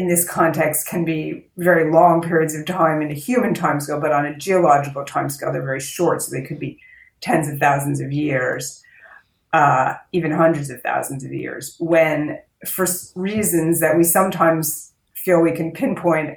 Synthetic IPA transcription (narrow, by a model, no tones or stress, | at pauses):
ɨ̃nðɪskʰɑ̃ntʰɛkstkʰɨ̃nbi | vɛɹilɔ̃ŋpʰɪɹiɨdzʌv̥tʰãɪ̃mɨ̃nɨhjʉmɨ̃ntʰãɪ̃mskɪlˠbʌɾn̩ɨd͡ʒiɨlɑd͡ʒɨkl̩ˠtʰãɪ̃mskɪlˠðə˞vɛɹiʃɔɹtsoʊðeɪkʰɨd̚bi | tʰɛ̃nzʌv̥θaʊzn̩zʌvjɪɹz̥ | ivɨ̃nɦʌ̃ndɹɨdzʌv̥θa̰ʊzn̩zʌvjɪ̰ɹzwɨ̃n | fə˞sɹizɨ̃nzðɨʔ̚wisʌ̃mtʰãɪ̃mz̥ | filˠwikʰɨ̃n̩pʰɪ̃npʰɔ̃ɪ̃nt